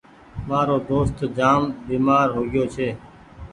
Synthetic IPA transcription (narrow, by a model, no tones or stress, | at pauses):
maːɾoːd̪oːst̪d͡ʒaːmbiːmaːɾɦoːɡɪjoːt͡ʃʰeː